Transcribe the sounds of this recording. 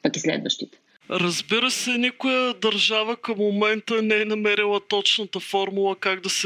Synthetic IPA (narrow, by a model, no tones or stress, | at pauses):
pɐkʲislɛ̰d̪və̰ʃt̪it̪ɛ̥ | ɾɐzbiɾəsɛnikʊjəd̪ɐɾʒavəkɐmːomɛnt̪ənɛɛnɐmɛɾilˠət̪ɔt͡ʃnət̪əfɔɾmulˠəkaɡd̪ɐsɛ